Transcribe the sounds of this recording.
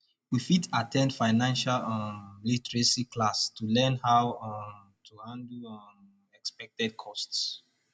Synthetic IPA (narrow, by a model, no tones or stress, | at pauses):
wifitatʰɛ̃ndfaɪnãnʃallitɹesiklastulɛ̃nhaw | tʰuhãndlɔ | ɛkspɛk̚tɛd̚kʰɔsts